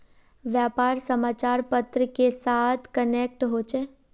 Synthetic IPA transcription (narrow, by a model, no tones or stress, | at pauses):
ʋjaːpaːɾsəmaːt͡ʃaːɾpət̪ɾəkesaːt̪ʰkənek̚ʈɦot͡ʃʰe